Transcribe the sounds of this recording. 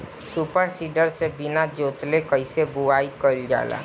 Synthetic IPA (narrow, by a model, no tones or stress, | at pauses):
supəɾsiːɖəɾsebɪnad͡ʒoːt̪lekəɪsebuaːikəld͡ʒa̰ːla̰ː